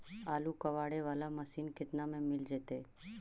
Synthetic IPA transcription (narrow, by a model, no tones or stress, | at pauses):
aːlukəʋaːɽeʋaːlaməsiːnkɪt̪namẽmɪld͡ʒɛːt̪eː